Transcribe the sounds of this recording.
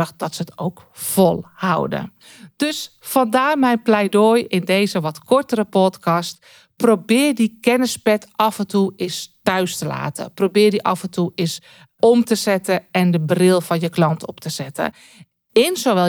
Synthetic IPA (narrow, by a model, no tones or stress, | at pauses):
əxd̥ɔtsəto̰wk | folˠha̰wdə̰ | d̥øs | fɔndaːmɛjnplɛjdoːjɪndeːzəʋɔtkɔrtəɾəpɔtkɔst | prowbɪːrdikɛnəspɛtɑfɛntuɪstœɥstəla̰ːtə̰probɪːrdiʔɑfəntʰuɪs | ɔmtəzɛtəɛndəbrɪlˠfɔnjəklɑntʰɔptəzɛtʰə̰ | ɪnsoʋɛ